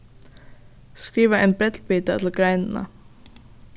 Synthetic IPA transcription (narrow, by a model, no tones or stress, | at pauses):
skɾiːʋəʔeːnbɾɛt̪ʰlbyːt̪ət̪ʰl̩ɡɾæɪnn̩ə̰